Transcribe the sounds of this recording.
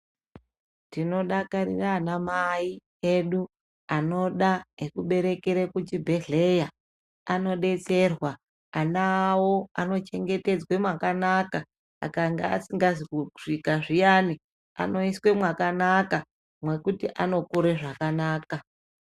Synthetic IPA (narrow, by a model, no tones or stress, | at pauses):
tino̞ɗakarḭranamai | e̞ɗu | ano̞ɗaekuɓe̞ɾe̞keɾekut͡ʃibʱe̞ɮe̞ja | ano̞ɗe̞t͡se̞rwaː | nawo̞ano̞t͡ʃe̞ŋɡe̞te̞d͡zwe̞mwakanaka | a̰kaŋɡea̰siŋɡaziuʐ̥ikaʐijaːni | a̰no̞iswe̞mwakanaka | mwe̞kutiʔano̞kuɾeʐakanaːka